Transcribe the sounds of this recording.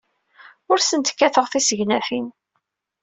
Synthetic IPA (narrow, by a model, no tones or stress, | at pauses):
ʊɾsənt̪kːæθəʁθisəʝnæθin